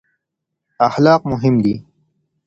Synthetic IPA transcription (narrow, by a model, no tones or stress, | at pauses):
ɐxlaːqmʊɦɪmd̪i